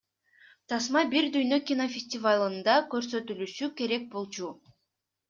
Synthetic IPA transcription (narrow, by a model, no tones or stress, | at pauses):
t̪ʰɑsmɑbiɾd̪yjnø̞kʲinofʲɪsʲtʲɪvalˠɯnd̪ɑkø̞ɾsø̞t̪ylyʃyke̞ɾe̞k̚bo̞lˠt͡ʃu